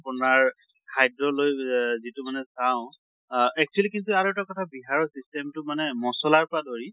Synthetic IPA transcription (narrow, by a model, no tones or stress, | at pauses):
apʊnaɹ | kʰajdɹɔlojzitʊmanɛsaʊ̃ | ɛk̚t͡ʃuɛlikintuaɾɔtakɔtʰabiɦaɹɔsistɛmtʊmanɛmɔsɔlaɹpɔɹadoɹi